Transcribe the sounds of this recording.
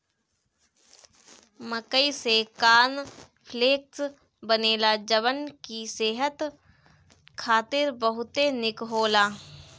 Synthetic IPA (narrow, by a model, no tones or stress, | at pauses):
məkəisekaːn | pʰleːk̚s | bəneːlad͡ʒəʋənkiseːɦət̪ | kʰaːt̪ɪɾbəɦʊt̪enɪkɦoːlaː